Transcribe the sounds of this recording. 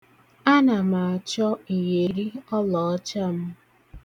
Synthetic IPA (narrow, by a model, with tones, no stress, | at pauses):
a˦na˨ma˨t͡ʃɔ˦i˨ɦe˨ɾi˦ɔ˦lɔ˨ɔ˦t͡ʃa˦m̩˦